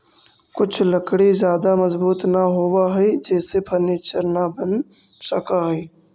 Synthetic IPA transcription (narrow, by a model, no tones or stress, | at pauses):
kʊt͡ʃʰləkɽizjaːd̪amɐzbuːt̪naɦoːwaɦɛid͡ʒɛːsepʰɐɾneːt͡ʃəɾnabən | səkaɦɛiː